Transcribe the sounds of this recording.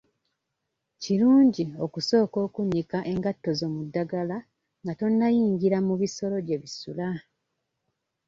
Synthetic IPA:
ciɾuːɲɟio̞kuso̞ːko̞ːkuɲːikaʔe̞ŋɡatːo̞zo̞ːmudːaɡala | ŋɡato̞nːajiːɲɟiɾamuβiso̞ɾo̞ɟe̞βisula

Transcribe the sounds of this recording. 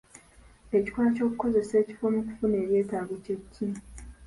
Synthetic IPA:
eci̥twaːaco̞ːkuko̞ze̞se̞ːci̥fonuku̥fune̞ːβje̞ːtaɡocecʰːi

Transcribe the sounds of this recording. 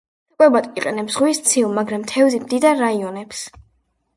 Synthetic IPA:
kʼwɛbat̪ʼiqʼɛnɛpz̥ʁwist̪sʰilˠmaɡɾamt̪ʰɛvzimd̪id̪aɾːaiɔnɛps

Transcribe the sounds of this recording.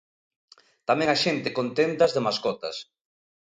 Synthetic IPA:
t̪amɛ̃ŋaʃent̪ɪkont̪ent̪ɐzðemaskɔt̪ɐ̰s

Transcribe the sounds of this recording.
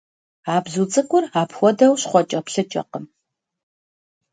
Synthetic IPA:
aːbzut͡sʼɨkʷʼʊraːpxʷɔdɐwɕχʷɔt͡ʃʼɐpɬɨt͡ʃʼɐ̰qəm

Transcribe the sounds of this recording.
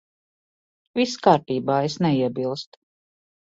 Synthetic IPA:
viskaːɾt̪iːbaːesnɛiɛbilˠst̪

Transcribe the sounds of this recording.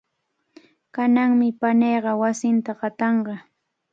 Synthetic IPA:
kanaŋmɪpanejɢɑwasɪnt̪aɢɑt̪ɑɴɢɑ

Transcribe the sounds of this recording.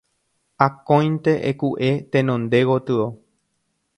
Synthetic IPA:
akõj̃nt̪e̞ʔḛkuʔe̞t̪ẽnõnd̪e̞ɣot̪ɨo

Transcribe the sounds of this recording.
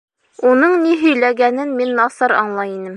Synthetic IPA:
unɤɴniɦɵ̆jlæɡænɘnminːɒsɑɾɒ̰ɴlˠɑjinɘm

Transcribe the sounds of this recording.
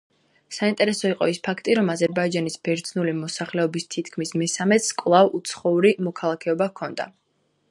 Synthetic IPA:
saint̪ʼɛɾɛsɔiqʼɔ̰ispʰakʰt̪ʼiɾɔmazɛɾbaid͡ʒanisb̥ɛɾd̪znulimɔsaχlɛɔbist̪ʰit̪ʰkʰmismɛsamɛt̪skʼwlˠavut̪sʰχɔuɾimɔkʰalˠakʰɛɔbakʰɔnd̪a̰

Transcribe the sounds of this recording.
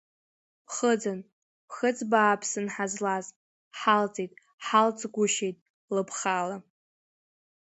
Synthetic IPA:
χəd͡zan | χət͡sʼbaːpʰsɨnħazlaz | ħalt͡sʼejtʼ | ħalt͡sʼɡʷʊʃejtʼ | lɨpʰχala

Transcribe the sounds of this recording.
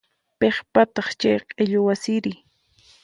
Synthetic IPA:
peχpat̪ɑχt͡ʃajqʼeʎʊwasɪɾɪ

